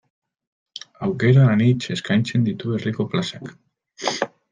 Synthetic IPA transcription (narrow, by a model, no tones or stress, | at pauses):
awkeɾaðanit͡ʃeskajnt͡ʃend̪it̪uerikoplasak